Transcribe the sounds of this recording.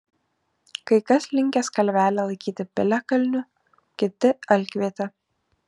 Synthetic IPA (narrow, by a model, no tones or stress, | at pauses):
kɐɪkɐslʲɪŋʲkʲɛskɐlʲʋʲæːlʲɛlˠɐɪkʲiːt̪ʲɪpʲɪlʲɛkɐlʲnʲʊ | kʲɪt̪ʲɪɐlʲkʲʋʲiːt̪ʲɛ